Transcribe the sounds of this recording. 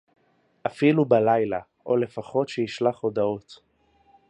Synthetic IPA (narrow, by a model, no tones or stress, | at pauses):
ʔafilubalajla | ʔo̞le̞faχo̞tʃejiʃlaχo̞dao̞t